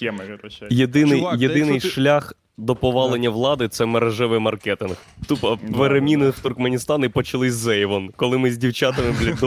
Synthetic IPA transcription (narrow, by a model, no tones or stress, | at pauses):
jed̪ɪnɪjjed̪ɪnɪjʃlʲax | d̪ɔpɔʋɑlˠenʲːɐʋlˠɑd̪ɪt̪sɛmeɾeʒɪʋɪjmɐrkɛt̪ɪnxt̪upɐʋeɾemʲinɪwt̪ʊrkmenʲist̪ɑnipɔt͡ʃɐlˠɪsʲzɛjʋɔnkɔlˠɪmɪzʲdʲiwt͡ʃɑt̪ɪmɪblʲid̪